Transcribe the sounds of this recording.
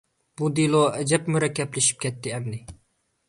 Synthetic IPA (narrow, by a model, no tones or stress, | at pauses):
b̥ud̪ilˠoɛd͡ʒɛpmuɾɛkʲːɛplɪʃi̥p̚kʲʰɛt̪ʰːɪɛmnɪ